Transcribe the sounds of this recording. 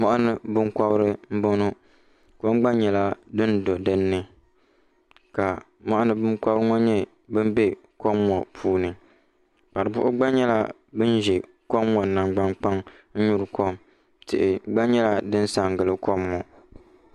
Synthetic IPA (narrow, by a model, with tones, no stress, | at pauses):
mɔ˦ʔa˦nɨ˦bɨ˦ŋkɔ˦bɾɨ˦m̩˦bo˦nu˦ | ko˦mɡ͡ba˦ɲɛ˨la˦dɨ˦ndo˨dɨ˦nːɨ˦ | ka˨ | ma˦ʔa˦nɨ˦bɨ˦ŋkɔ˦bɨ˦ŋɔ˦ɲɛ˦ | bɨ˦m˦bɛ˦ | ko˦mːɔ˨pʰuː˦nɨ˨ | k͡pa˨ɾɨ˨bʊ˦ʔʊ˦ɡ͡ba˦ɲɛ˦la˦ | bɨ˦n˦ʒɛ˨ | kɔ˦mːɔ˨na˨mɡ͡ba˦ŋk͡pa˦ŋ | n̩˦ɲu˦ɾɨ˨kʰo˦m | tɪ̰˨ʔɪ˨ɡ͡ba˦ɲɛ˦la˦dɨ˦n˦sa˨ŋ˨ɡɨ˨lɨ˦kʰo˦mŋɔ˨